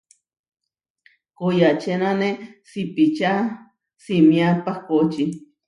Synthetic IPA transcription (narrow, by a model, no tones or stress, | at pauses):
kojat͡ʃenanesipit͡ʃa | simjapahkot͡ʃi